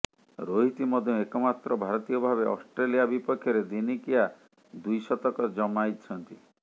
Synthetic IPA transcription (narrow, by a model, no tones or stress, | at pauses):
ɾoɦit̪imɔd̪ʱjõekɔmat̪ɾɔbʱaɾɔt̪ijɔbʱabeɔ̰sʈɾelijabipɔkʰːjɔɾed̪inikija | d̪ujsɔt̪ɔkɔd͡ʒɔmajt͡ʃʰɔnt̪i